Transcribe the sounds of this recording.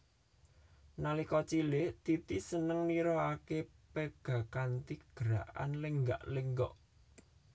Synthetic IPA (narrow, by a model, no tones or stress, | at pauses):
nalikɔt͡ʃilet̪it̪isənəŋniɾɔakepeɡ̥a̤kant̪iɡ̥əɾa̰ʔa̰nleŋɡa̰ʔleŋɡɔʔ